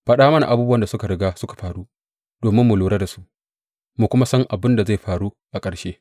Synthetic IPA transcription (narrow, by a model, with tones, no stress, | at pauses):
ɸɐ˦ɗaː˦mɐ˦na˨ʔa˨buː˦bu˦wɐ˨nda˨sʊ˦ka˨ɽɪ˦ɡaː˦sʊ˦kḁ˨ɸaː˨ɾu˦ | d̥oː˨mɪ˦mːʊ˨loː˨ɽe˦da˨su̥˦ʔ | mu˨kʷʊ˦ma˦sɐ˦ŋʔa˨bɪ˦nda˨za˦˨jɸaː˨ɽu˦ | ʔa˨kʼɐ˨ɽʃeː˦